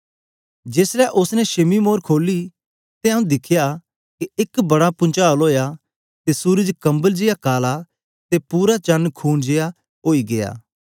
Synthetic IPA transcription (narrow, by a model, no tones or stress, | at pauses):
d͡ʒeːslɛʔʊsnɛʃɐmimoːɾkʰoːli | t̪eɐũd̪ɪkʰɪja | keɪkbɐɽapʊ̃nt͡ʃaːloːja | t̪esuːɾəd͡ʒkɐ̃mbəld͡ʒɪjakaːla | t̪epuːɾat͡ʃɐnkʰuːnd͡ʒeja | oːiɡeja̰ː